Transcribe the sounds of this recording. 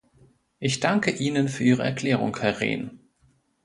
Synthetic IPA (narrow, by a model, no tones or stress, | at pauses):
ʔɪçd̥aŋkəʔiːnənfyːɐiːʁ̞əʔɛ̰ɐkʰl̥ɛːʁ̞ʊ̰ŋhɛɐʁḛːn